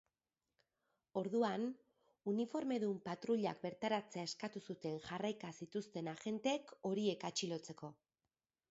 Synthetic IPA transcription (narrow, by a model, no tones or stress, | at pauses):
o̞ɾðuan | unifo̞ɾme̞ðumpat̪ɾuʎa̰k̚be̞ɾt̪aɾat͡se̞ae̞skat̪usut̪e̞ŋʝarajkasit̪ust̪e̞naɣe̞nt̪eeko̞ɾie̞kat͡ʃilo̞t͡se̞ko̞